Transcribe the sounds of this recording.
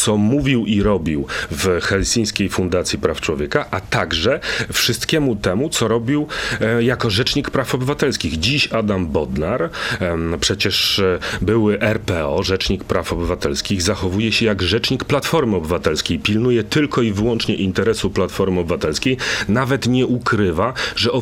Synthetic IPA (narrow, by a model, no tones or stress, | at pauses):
t̪sɔmuvʲiwʔiɾɔbʲiwvxɛlsʲĩj̃skʲejfund̪at̪sʲjipɾaft͡ʂwɔvʲjɛkaʔat̪aɡʐɛfʂɨst̪kʲɛmut̪ɛmut̪sɔɾɔbʲiwjakɔʐɛt͡ʂɲikpɾafɔbɘvat̪ɛlskʲiɣd͡ʑiɕad̪ambɔd̪naɾ | pʂɛt͡ɕɛʂbɘwɘʔɛɾpɛɔʐɛt͡ʂɲikpɾafɔbɘvat̪ɛlskʲiɣzaxɔvujɛɕɛjaɡʐɛt͡ʂɲikplat̪fɔɾmɘɔbɘvat̪ɛlskʲejpʲilnujɛt̪ɘlkɔivɘwɔnt͡ʂɲɛʔint̪ɛɾɛsuplat̪fɔɾmɘɔbɘvat̪ɛlskʲejnavɛt̪ɲɛʔukɾɘvaʐɛɔ